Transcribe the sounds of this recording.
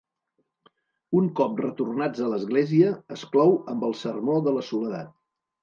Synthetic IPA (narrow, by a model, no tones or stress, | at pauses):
uŋkɔp̚rət̪urnad͡zələzɣleziəəsklɔwəmbəlˠsərmoðələsuləða̰t̪̚